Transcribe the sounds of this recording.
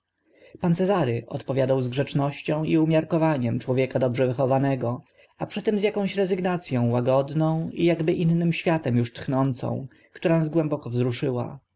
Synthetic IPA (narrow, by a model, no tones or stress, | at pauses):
pant̪sɛzaɾɘʔɔ̰t̪pɔvʲjad̪awzɡʐɛt͡ʂnɔɕt͡ɕɔ̃w̃iumʲjaɾkɔvaɲɛmt͡ʂwɔvʲjɛkad̪ɔbʐɛvɘxɔvanɛɡɔ | apʂɘt̪ɛmzjakɔ̃w̃ɕɾɛzɘɡnat̪sʲjɔ̃w̃waɡɔd̪nɔ̃w̃ijaɡbɘʔinːɘmɕfʲjat̪ɛmjuʂt̪xnɔnt̪sɔ̰̃w̃ | kt̪uɾanazɡwɛmbɔkɔvzɾuʂɘwa̰